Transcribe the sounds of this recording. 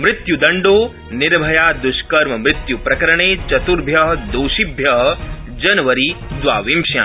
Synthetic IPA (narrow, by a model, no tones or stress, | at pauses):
mɾɪt̪jud̪ɐɳɖoː | nɪɾbʱɐjaːd̪uʃkɐɾmɐmɾɪt̪jupɾɐkɐɾɐɳ̃eːt͡ʃɐt̪uɾbʱjɐɦɐd̪oːʃibʱjɐɦɐ̆ | d͡ʒɐnɐʋɐɾiːd̪ʋa̰ːʋimʃjã̰ː